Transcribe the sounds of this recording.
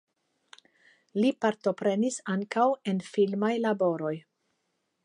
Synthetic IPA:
lipaɾto̞pɾe̞nisaŋkawe̞nfilmajlabo̞ɾo̞j

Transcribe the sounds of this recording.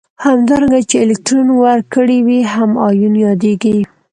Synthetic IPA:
hamd̪ɑɾaŋɡat͡ʃeːlɪk̚ʈɾunwaɾkəɽiwiɦamɑjunjɑd̪eɡi

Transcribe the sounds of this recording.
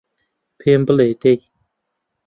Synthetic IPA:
pʰembəlet̪ek̚

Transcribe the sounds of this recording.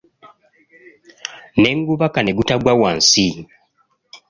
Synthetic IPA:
neŋɡuβakaneɡutaɡwawansi

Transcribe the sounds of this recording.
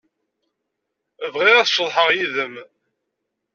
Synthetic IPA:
əvʁiʁæθʃəðˤħəʁjiðəm

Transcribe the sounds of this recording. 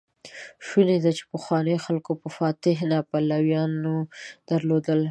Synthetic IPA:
ʃuned̪at͡ʃe̥pəxwɑnəjxalkopəfɑt̪ɪɦnapalawjɑnod̪̥aɾlod̪əl

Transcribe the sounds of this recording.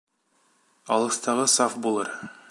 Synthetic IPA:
ɑlˠɤ̆st̪ɑʁɤsɑfbulˠɤɾ

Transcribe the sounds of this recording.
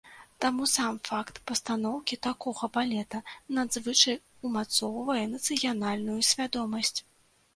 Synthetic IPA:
t̪amusamfakt̪pɐst̪anɔwkʲit̪akɔɣɐbalʲɛt̪ɐnad̪zvɨt͡ʂɐj | umat̪sɔwvɐjɛnɐt̪sɨjanalʲnujusʲvʲad̪ɔmɐsʲt͡sʲ

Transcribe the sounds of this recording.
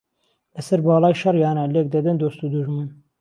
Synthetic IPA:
lɛsɛɾbɑːlɑːjʃɐrjɑːnɛlek̚d̪ɐd̪ɨnd̪oːst̪uːd̪uʒmɨn

